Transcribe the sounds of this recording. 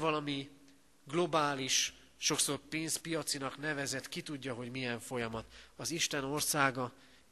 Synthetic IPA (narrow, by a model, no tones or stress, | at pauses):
vɒlɒmi | ɡlo̞baːliʃː | o̞kso̞rpeːnspijɒt̪sinɒknɛvɛzɛt̪kit̪uɟːɒɦo̞ɟmijɛɱfo̞jɒmɒt̪ɒziʃt̪ɛno̞rsaːɡɒ